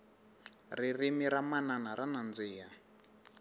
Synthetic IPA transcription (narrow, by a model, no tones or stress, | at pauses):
ririmiɾamananaɾanand͡ziːja